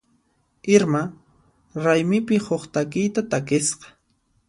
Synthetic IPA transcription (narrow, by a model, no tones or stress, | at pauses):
ɪɾma | ɾajmɪpɪhoχt̪akɪjt̪at̪akɪsqɑ̥